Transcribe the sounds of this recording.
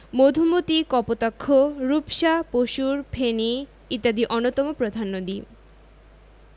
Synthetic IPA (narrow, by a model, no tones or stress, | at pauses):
mod̪ʱumot̪ikɔpot̪akʰːoɾupʃapoʃuɾpʰeni | it̪ːad̪iʔɔnot̪ɔmopɾod̪ʱanːod̪i